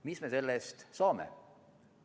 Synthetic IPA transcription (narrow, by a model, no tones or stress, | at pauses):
mismese̞lːest̪sɑːmḛ